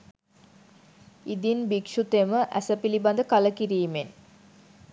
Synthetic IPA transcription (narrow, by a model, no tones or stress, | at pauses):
id̪inbikʂut̪eməʔæ̰səpiliband̪əkaləkiɾiːmen